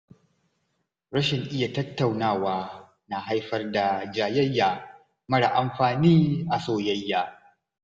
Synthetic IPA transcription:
ɾɐ˦ʃɪ˨ŋʔɪ˦ja˨tɐ˦tːa˨wnaː˦˨waː˦ | na˨ɦa˦jɸɐ˦rda˨d͡ʒaː˨jɐ˦jːaː˨ | mɐ˦ɽa˨ʔa˨mɸaː˨niː˦ʔa˨soː˦˨jɐ˦jːaː˦

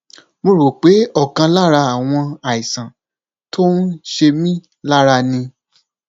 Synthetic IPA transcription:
mo˧ɾo˨k͡pe˨˦ɔ˦˨kã˧la˦ɾa˧a˨w̃ɔ̃˧a˨i˨sã˨ | to˦n̩˦ʃe˧mĩ˦ | la˦ɾa˧nĩ˧

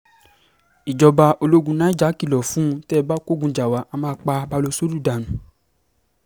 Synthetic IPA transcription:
i˨d͡ʒɔ˧ba˧o˧lo˦ɡũ˧nã˦i˦d͡ʒa˨˦ki˦˨lɔ˨fũ˦˧˦tɛ˦˧ba˦ko˦˨ɡũ˧d͡ʒa˨wa˨˦ʔa˧mãː˧˦˧k͡pa˧ba˧lo˧so˦ɾu˦˨da˨nũ˨

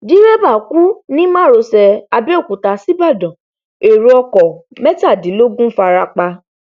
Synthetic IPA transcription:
di˨˦ɾɛ˦ba˦˨ku˦nĩ˦mãː˦˨ɾo˧sɛ˧a˧bɛ˦o˦˨ku˨ta˨si˦ba˦˨dɔ̃˨ | e˨ɾu˧ɔ˧kɔ˨mɛ˦ta˦˨dĩ˨˦lo˦ɡũ˦fa˧ɾa˧k͡pa˧

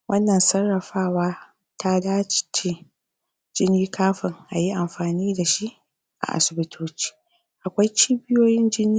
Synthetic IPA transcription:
wʔɐ˦nːɐ˨nsɐ˦rːɐ˨ɸaː˦waː˦ | ta˦daː˦t͡ʃt͡ʃe˨ | d͡ʒɪ˦niː˦kʰaː˦ɸɪ˨ŋʔa˨ji˦ʔa˨mɸaː˨niː˦da˨ʃi˦ʔ | ʔa̰˨ʔa̰˨sɪ˨bɪ˦tʰoː˦t͡ʃi̥ː˦ | ʔa˨kʷa˦jt͡ʃiː˦bɪ˦joː˦jɪ˦nd͡ʒɪ˦niː˦

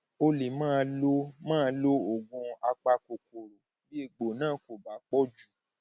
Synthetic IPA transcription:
o˧le˨mãː˦˧˦lo˦mãː˦lo˦o˨ɡũ˧a˧k͡pa˧ko˨ko˨ɾo˨ | bi˦e˦˨ɡ͡bo˨nãː˦˨ko˨ba˨˦k͡pɔ˦d͡ʒu˦˨

